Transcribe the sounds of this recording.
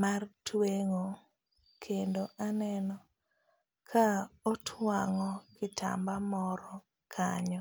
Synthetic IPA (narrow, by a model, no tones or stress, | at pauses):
martweŋo | kʰendoʔanɛnɔ | kʰaɔtʰwaŋɔkɪtʰa̰mbamɔɾɔ | kʰaɲɔ